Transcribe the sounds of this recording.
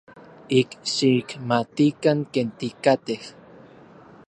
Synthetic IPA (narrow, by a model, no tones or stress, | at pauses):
ikʃikmat̪ikaŋkent̪ikat̪eh